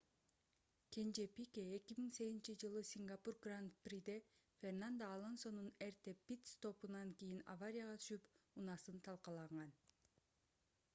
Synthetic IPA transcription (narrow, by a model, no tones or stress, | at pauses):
kʲʰe̞nd͡ʒepʲikʲeekimiŋse̞ɡʲzint͡ʃid͡ʒɯlˠɯsʲiŋɡapurɡrant̪prid̪e | fʲe̞rnand̪aːlˠonso̞nunert̪epʲit̪st̪o̞punɑŋkijina̰vaɾʲijaʁɑt̪ʰy̥ʃypunɑsɯnt̪ʰɑlˠqɑlˠɑɴɢɑn